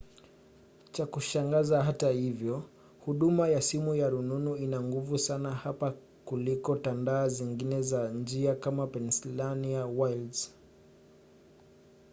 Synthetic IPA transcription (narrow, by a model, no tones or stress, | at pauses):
t͡ʃakuʃaŋɡazaɦatahivjɔ | huɗumajasimujaɾununuinaŋɡuvusanahapa | kulikɔtandaːziŋɡinɛzand͡ʒiakamapɛnsilanijawalz